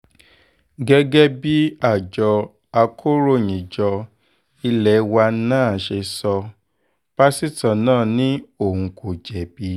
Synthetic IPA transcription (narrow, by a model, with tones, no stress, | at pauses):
ɡɛ˦ɡɛ˦bi˦a˦˨d͡ʒɔ˧ | a˧kʰo˦ɾo˦˨j̃ĩ˨d͡ʒɔ˧ | i˧lɛ˨˦wa˧˦nãː˦˨ʃe˧sɔ˧ | b̥a˦si˦tã˨nãː˦˨nĩ˦o˦˨hũ˧kʰo˨d͡ʒɛ˨bi˧˦